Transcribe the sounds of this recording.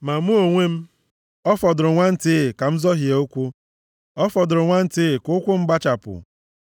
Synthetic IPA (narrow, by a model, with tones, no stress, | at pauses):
ma˨mu˦o˨ŋʷe˦m̩˦ | ɔ˦fɔ˨dʊ˨ɾʊ˨ŋʷa˦n̩˦tɪ˦˨ka˨m̩˦zɔ˦ɦje˨o˦kʷu˦ | ɔ˦fɔ˨dʊ˨ɾʊ˨ŋʷa˦n̩˦tɪ˦˨kʊ˦kʷʊ˦m̩˦ɡ͡ba˦t͡ʃa˨pʊ̰˨